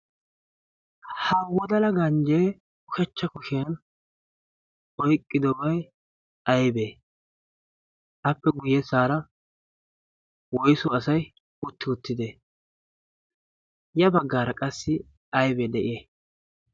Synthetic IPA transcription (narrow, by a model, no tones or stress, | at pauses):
hɐwɔd̪ɐlɐɡɐnd͡ʒeː | ʊkɛt͡ʃːɐkʊʃen | ɔjkʼːɪd̪ɔbɐj | ɐjbeː | ʔɐpːɛɡʊjɛsaːɾɐ | wɔjsʊɐsɐj | ʊt̪ːɪʊt̪ːɪd̪e | jɐbɐɡːaːɾɐkʼɐsːɪ | ɐjbed̪ɛʔɪe